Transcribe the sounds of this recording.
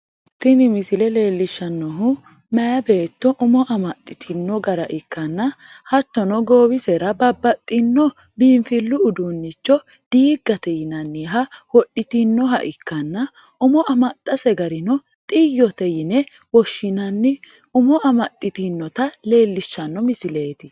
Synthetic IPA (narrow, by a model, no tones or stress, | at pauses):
t̪ːɪnɪmɪsɪlɛle̞ːlːɪʃːɐnːɔɦʊ | mɐjɐbe̞ːt̪ːɔʔʊmɔʔɐmɐt̪ʼːɪt̪ʰɪnːɔɡɐɾɐʔɪkːɐnːɐ | hɐt̪ːɔnɔɡoːwɪsɛɾɐbɐbːɐt̪ʼːɪnːɔ | biːnfɪlːʊʊd̪unːɪt͡ʃːɔ | d̪̥iːɡɐt̪ɛjɪnɐnːɪɦɐwɔɗɪt̪ɪnːɔɦɐ̰ʔɪkːɐnːɐ | ʊmɔʔɐmɐt̪ʼːɐsɛɡɐɾɪnɔ | t̪ʼɪjːɔt̪ɛjɪnɛ | wɔʃːɪnɐnːɪ | ʊmɔɐmɐt̪ʼːɪt̪ɪnːɔt̪ɐle̞ːlːɪʃːɐnːɔmɪsɪle̞ːt̪ɪ